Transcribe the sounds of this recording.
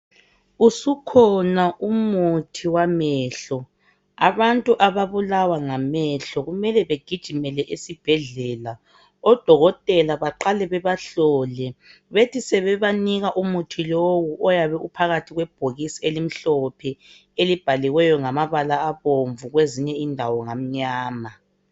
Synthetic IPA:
usukʰɔnaʔumutʰiwamɛːɬɔ | aβantʼuʔaβaβulawaŋamɛɬɔɣumɛlɛβeɡ̥ʱid̥ʒ̥ʱimɛlɛʔesib̥ʱɛɮɛːla | ɔd̥ʱɔɣɔtʼɛlaβaǃalɛβɛβaɬɔlɛ | βetʰisɛβɛβaniɣaʔumutʰilowuʔɔjaβɛʔupʰaɣatʰiɣwɛb̥ʱoɣisielim̩ɬɔpʰɛ | elib̥ʱaliwɛjɔŋamaβalaːβoɱvuɣweziɲɛindʱawɔŋam̩ɲaːma

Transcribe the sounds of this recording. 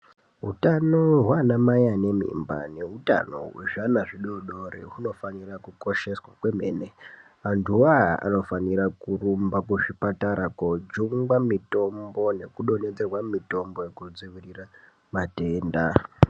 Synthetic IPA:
ɦutanoɦwanamajane̞mḭmba̰ne̞ɦuta̰no̞̰wḛʐanaʐiɗoɗo̞ɾḛɦuno̞fanirakuko̞ʃe̞swakwe̞me̞̰ːne | antuaa̰no̞fanirakurumbakuʐipataɾakod͡ʒuŋɡwamito̞mbo̞ne̞kuɗo̞ne̞d͡zerwamito̞mbo̞jekud͡ziʋirira | mate̞ːnda

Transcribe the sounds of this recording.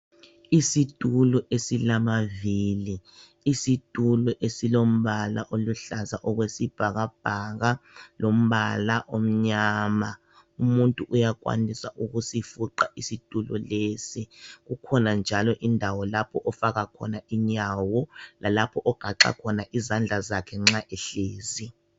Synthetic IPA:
isid̥ʱʼulɔʔesilamaviːliː | sid̥ʱulɔʔesilom̩βala̰ʔoluɬazaʔɔɣwesib̥ʱaɣab̥̚ʱaɣalom̩βalaʔom̩ɲaːma | umuntʼuʔujakwa̰nisaʔuɣusifuǃaʔisid̥ʼʱulɔlesiɣukʰɔnand͡ʒʱalɔʔindʱawɔlapʰɔʔɔfaɣakʰɔ̰naiɲawɔlʔalapʰɔʔɔɡ̥ʱaǁa̰kʰɔnaʔizand͡ɮʱazakʰɛŋ͡ǁaʔɛɬeːzi

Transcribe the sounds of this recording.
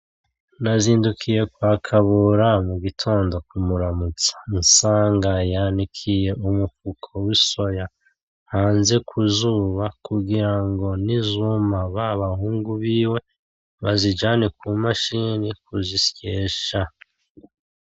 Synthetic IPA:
naziːndukʰije̞kwaːkʰaβuɾamuɡitʰo̞ːndo̞kumuɾamut͡sḁnsaːŋɡajaːnikʰije̞ʔumufukʰowiso̞ja | haːnze̞kʰuzuβakuɡiɾaŋɡo̞nizumaβaβahuːŋɡuβiːwe̞ | βazid͡ʒaːnekumaʃinikuzisjeːʃa

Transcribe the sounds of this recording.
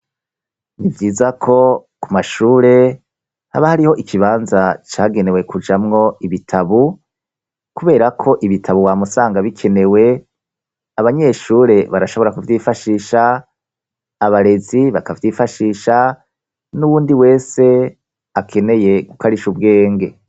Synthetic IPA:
nivɟiːzakʰo̞kumaʃuːɾe̞ | ha̰βahaɾiho̞ʔikʰiβaːnzat͡ʃaːɡe̞ne̞we̞kʰud͡ʒamŋo̞iβitʰaβu | kuβe̞ːɾakʰo̞ʔiβitʰaβuwamusaːŋɡaβikʰe̞ne̞we̞ | aβaɲe̞ʃuːɾe̞βaɾaʃo̞βo̞ɾakuvjiːfaʃiːʃa | βaɾe̞ziβakavjiːfaʃiːʃa | nuwuːndiwe̞ːse̞ | akʰe̞ne̞je̞ɡukaɾiʃubɡe̞ːŋɡe̞

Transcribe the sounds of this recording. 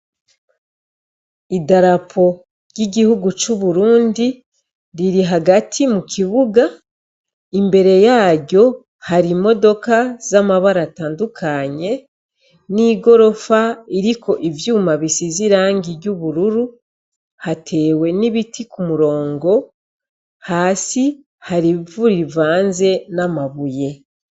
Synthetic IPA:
idaɾapʰo̞ | ɾjiɟihuɡut͡ʃuβuɾuːndi | ɾiɾiɦaɡatʰimukʰiβuɡa | imbe̞ɾe̞jaːɟo̞ | haɾimo̞do̞kazamaβaɾataːndukʰaɲe̞ | niːɡo̞ɾo̞faiɾikʰo̞ʔivjuːmaβisiziɾaːŋɡiɾjɟuβuɾuɾu | hatʰe̞ːwe̞niβitʰikumuɾo̞ːŋɡo̞ | haːsi | haɾivuɾivaːnze̞namaβuje̞

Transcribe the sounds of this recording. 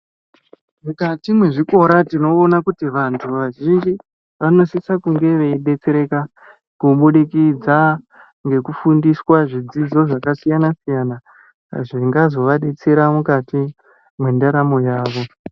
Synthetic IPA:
mukatimwe̞ʐiko̞ɾatino̞ːnakutiʋantʰuʋaʒind͡ʒi | ʋano̞sisakuŋɡe̞ʋe̞iɗe̞t͡seɾe̞ka | kuɓuɗikid͡za | ŋɡe̞kufundiswaʐid͡zid͡zo̞ʐakasijanasijana | ʐiŋɡazo̞ʋaɗe̞t͡se̞ɾamukati | mwendaɾamo̞jaːʋo̞

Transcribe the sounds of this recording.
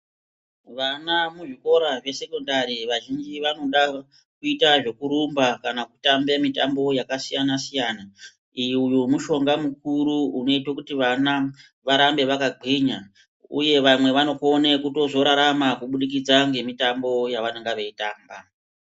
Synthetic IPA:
ʋanamuʐiko̞ɾaʐe̞se̞ko̞ndaɾiʋaʒind͡ʒiʋano̞ɗa | kuitaʐe̞kuɾumbakanakutambemita̰mbo̞jakasijanasijana | ijujumuʃo̞ŋɡamukuɾuuno̞itwakutiʋana | ʋaɾambe̞ʋakaɡ͡ǃʱiɲa | ṵje̞ʋamwe̞ʋano̞konekuto̞zo̞ɾaɾamakuɓuɗik̬id͡zaŋɡe̞mitambo̞jaʋaneŋɡaʋeitaːmba

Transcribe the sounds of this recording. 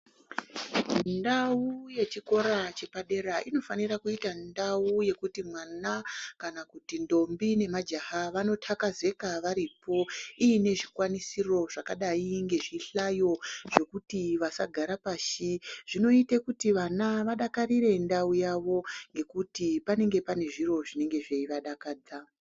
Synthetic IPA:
ndauje̞t͡ʃiko̞ɾat͡ʃe̞paɗe̞ɾaʔino̞fanirakuitandauje̞kutimwanakanakutindo̞mbine̞mad͡ʒahaʋano̞tʰakaze̞kaʋaɾipo̞iːne̞ʐikwanisiro̞ʐakaɗaiŋɡe̞ʐiɬajo̞ʐ̥e̞kutiʋasaɡʱaɾapaːʃiʐ̥ino̞itekutiʋanaʋaɗakariɾe̞ndaujaʋo̞ŋɡe̞kutipane̞ŋɡe̞pane̞ʐiro̞ʐine̞ŋɡe̞ʐeiʋaɗakaːd͡za

